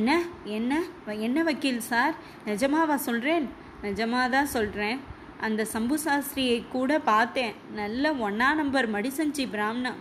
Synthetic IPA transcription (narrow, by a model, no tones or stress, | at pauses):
ɛnːɐɛnːɐɛnːɐʋɐkːɪlsaːɾ | nɪd͡ʒɐmaːʋãːsɔlɾẽːn | nɪd͡ʒɐmaːt̪ãːsɔlɾẽː | ʔɐnd̪ɐsɐmbɯsaːsɾɪjɐɪkːuːɽɐpaːɾt̪ẽːnɐlːɐɔɳːaːnɐmbɐɾmɐɽɪsɐɲd͡ʒibɪɾaːmnɐ̃